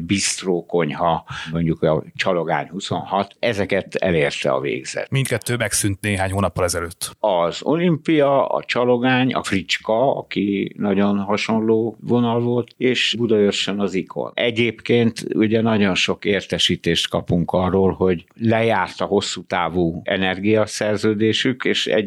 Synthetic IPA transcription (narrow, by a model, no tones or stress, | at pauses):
bist̪roːko̞ɲhɒmo̞ɲɟukɒt͡ʃɒloɡa̰ːɲhuso̞nɦɒt̪ɛzɛkɛt̪ɛ̰leːrt̪ɛ̰ɒ̰vḛːɡz̥ɛ̰t̪mint̪kɛt̪ːøːmɛksynt̪neːɦaːɲhoːnɒpːɒlɛzɛløːt̪ːɒzo̞̰limpijɒɒ̰t͡ʃɒlo̞ɡaːɲɒ̰frit͡ʃkɒɒ̰kinɒɟo̞nɦɒʃo̞nloːvo̞nɒlvo̞lt̪eːʃbud̪ɒøʃːønɒzikʰo̰nɛɟeːpkeːnt̪uɟɛnɒɟonʃo̞keːrt̪ɛʃiːt̪eːʃt̪kɒpuŋkɒrːoːlho̞ɟlɛjaːrt̪ɒɦo̞sːut̪aːvuːɛ̰nɛrɡijɒsɛrzøːd̪eːʃykeːʃɛ̰